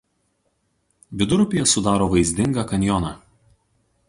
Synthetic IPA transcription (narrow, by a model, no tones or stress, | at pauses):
ʋʲɪd̪ʊɾʊpʲɪjɛsʊd̪ɑːɾoːʋɐɪzʲd̪ʲɪŋɡɑkɐnʲjɔnɑː